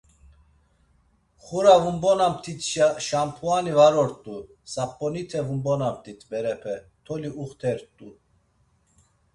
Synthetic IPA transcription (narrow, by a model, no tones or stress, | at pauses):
χuɾavumbɔnamt̪ʰit̪ʰʃampʰuanivaɾɔɾt̪ʼu | sapʼːɔnit̪ʰɛvumbɔnamt̪ʰit̪ʰbɛɾɛpʰɛ | t̪ʰɔliuχt̪ʰɛɾt̪ʼu